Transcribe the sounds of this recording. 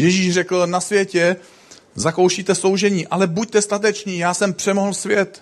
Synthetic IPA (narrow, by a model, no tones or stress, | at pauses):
jɛʒiːʃrɛkl̩nasvjɛcɛ | zako̞wʃiːt̪ɛso̞wʒɛɲiːʔalɛbuc̚t̪ɛst̪at̪̬ɛt͡ʃɲiːjaːsɛmpr̝̥ɛmoɦl̩svjɛt̪